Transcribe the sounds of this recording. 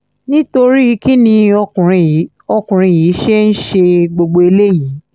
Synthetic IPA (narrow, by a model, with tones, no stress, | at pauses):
nĩ˦to˧ɾi˦˧˦ki˦nĩ˧ɔ˧ũ˨ɾ̃ĩ˧ | ɔ˧kũ˨ɾ̃ĩ˧˨ji˨˦ʃe˦n̩˦ʃe˧ɡ͡bo˧ɡ͡bo˧e˧le˦jiː˨˦